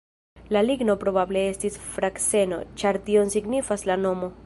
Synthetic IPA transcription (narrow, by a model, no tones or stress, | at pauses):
laliɡno̞pɾo̞bable̞e̞stisfɾakse̞no̞̰t͡ʃaɾtio̞nsiɡnifaslano̞mo̞